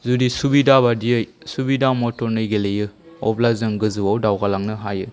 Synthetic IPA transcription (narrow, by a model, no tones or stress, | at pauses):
zudisubidabadijɯjsubidamɔtɔɾnɯjɡelejɯ | ɔplazɯŋɡɯzɯwawdawɡalaŋnɯɦajɯ